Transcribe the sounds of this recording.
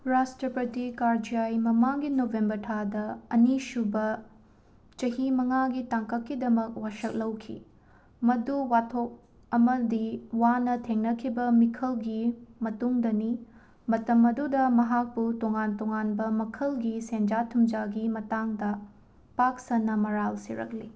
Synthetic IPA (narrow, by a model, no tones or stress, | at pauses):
ɾastɾɐpɾɐtikaɾd͡ʒijajmɐmaŋɡinobʱembɐɾtʰadɐɐnisubɐ | t͡ʃɐɦimɐŋaɡitaŋkɐkːidɐmɐk̚waʃɐk̚lɐwkʰḭ | mɐduwatʰok̚ | ɐmɐdiwanɐtʰeŋnɐkʰibɐmikʰɐlɡimɐtuŋdɐni | mɐtɐmɐdudɐmɐɦak̚putoŋantoŋanbɐmɐkʰɐlɡisend͡ʒatʰumd͡ʒaɡimɐtaŋdɐ | pak̚sɐnːɐmɐɾalsḭɾɐ̰k̚lḭ